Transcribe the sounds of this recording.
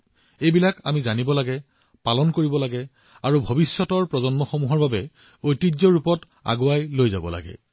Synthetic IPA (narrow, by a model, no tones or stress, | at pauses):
ejbilakamizanibɔlaɡɛ | palɔnkoɹibɔlaɡɛ | aɹubʱobisːɔtɔɹpɹɔzɔnmɔxɔmuɦɔɹbabɛ | ojtid͡ʒzɔɹupɔt | a̰ɡʊajlojzabɔ̰la̰ɡɛ̰